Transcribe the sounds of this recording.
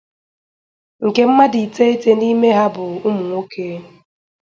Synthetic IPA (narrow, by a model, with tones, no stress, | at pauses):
ŋ̩˨ke˦m̩˦ma˦di˨te˦e˦te˦ni˦me˦ɦa˦bʊ˨ʊ˦mu˨ŋʷo˦kʰe˦